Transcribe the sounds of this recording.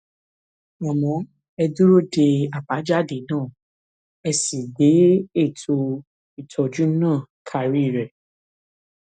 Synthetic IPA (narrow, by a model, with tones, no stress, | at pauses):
ɔ˨mɔ̃˨˦ | ɛ˧du˦ɾo˦˨de˧a˨ba˨˦d͡ʒa˦de˨˦nãː˦˨ | ɛ˧si˨de˨˦e˦˨tʰo˧ | i˨tʰɔ˨d͡ʒu˨˦nãː˦˨kʰa˨˧ɾi˦˨ɾɛ˨